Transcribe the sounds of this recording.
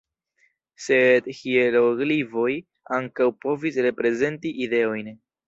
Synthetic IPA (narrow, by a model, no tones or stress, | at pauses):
se̞dhieloɡlivo̞j | aŋkawpo̞visɾe̞pɾe̞ze̞ntiʔide̞o̞jn